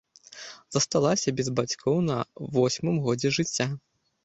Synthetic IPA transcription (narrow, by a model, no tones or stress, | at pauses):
z̥ɐst̪alˠasʲɐbʲɛzbat͡sʲkʰɔwnɐvɔsʲmɨmɣɔd͡zʲɛʐɨt͡sʲːa